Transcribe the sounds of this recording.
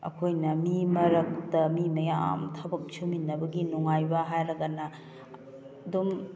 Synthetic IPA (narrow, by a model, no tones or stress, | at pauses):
ɐ̰kʰojnɐmimɐɾɐk̚tɐmimɐjaa̰mtʰɐbɐk̚t͡ʃʰuminːɐbɐɡinuŋajbɐɦajɾɐɡɐnɐ | ɐdum